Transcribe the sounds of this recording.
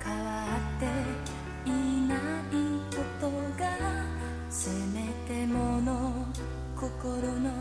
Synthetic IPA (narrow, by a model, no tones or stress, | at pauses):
kʰaβat̪ːe | inaipot̪oɡa | semet̪emono | kokoɾono